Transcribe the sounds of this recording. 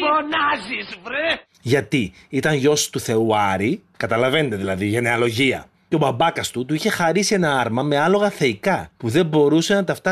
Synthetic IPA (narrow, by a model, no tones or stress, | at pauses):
fonɐzizvɾe | ʝɐt̪iit̪ɐnʝo̞st̪uθe̞uɐɾikɐt̪ɐlɐve̞net̪eðilɐðiʝe̞neɐlo̞ʝiɐ̰ | ceo̞bɐbɐkɐst̪ut̪uiçe̞xɐɾisie̞nɐɐɾmɐme̞ɐlo̞ɣɐθe̞ikɐpuðe̞mbo̞ɾuse̞nɐt̪ɐft̪ɐ